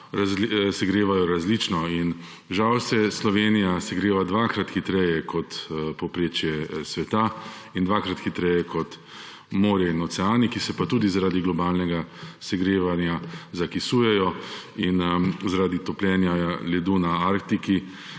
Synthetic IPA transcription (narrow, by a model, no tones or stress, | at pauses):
ɾazisɛɡɾeːʋajɔɾazlit͡ʃnɔin | ʒawsɛslɔʋeːnijasɛɡɾeːʋad̪ʋaːkɾat̪xit̪ɾɛjɛkʰɔt̪pɔpɾeːt͡ʃjɛsʋɛt̪a | ind̪ʋakɾat̪xit̪ɾɛjɛkʰɔt̪ | moːɾjɛinɔt̪sɛaːnikisɛpat̪uːd̪izaɾaːd̪iɡlɔbaːlnɛɡasɛɡɾeːʋanjazakisuːjɛjɔinzaɾaːd̪it̪ɔplʲɛnjalɛd̪unaaɾkt̪iki